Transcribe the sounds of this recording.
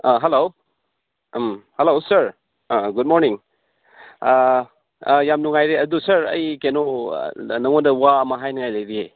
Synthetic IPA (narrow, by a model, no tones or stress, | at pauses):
aɦelow | mhelowsəɾ | ɡud̚moɾniŋ | jamnuŋajɾeɐdusɐɾɐ̰jkeno | nɐŋondɐwaɐmɐɦajnuŋajlɐjɾie